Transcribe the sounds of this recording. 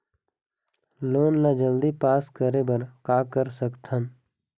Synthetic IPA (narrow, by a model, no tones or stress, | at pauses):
loːnlad͡ʒəld̪ipaːskəɾebəɾkaːkəɾsəkt̪ʰən